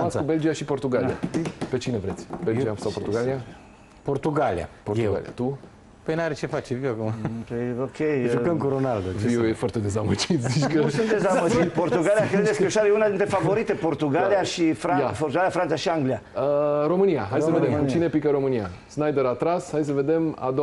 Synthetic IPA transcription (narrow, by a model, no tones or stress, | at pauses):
mat̪skube̞ld͡ʒijaʃipo̞rt̪uɡalia̰pe̞t͡ʃine̞vɾe̞t̪sʲbe̞ld͡ʒiasawpo̞rt̪uɡalia | port̪uɡalḭa̰poruɡa̰lḭa̰t̪u | pəjnaɾet͡ʃe̞fat͡ʃeviwakumapəjokʲʰejʒukəmkuɾonald̪oviujefoarɾt̪e̞d̪e̞zamət͡ʃit̪zit͡ʃkəɨnd̪ezaməd͡ʒit̪port̪uɡalijakɾed̪etskeʃaɾejunad̪int̪ɾefavo̞ɾit̪e̞po̞rt̪uɡaliaʃifɾaj̪afort̪uɡalijafɾansaʃiaŋɡlijaəɾo̞mɨnijaɦajssəved̪emt͡ʃine̞pikəɾo̞mɨniasnajd̪əɾat̪ɾashajs̬əve̞d̪e̞ma̰d̪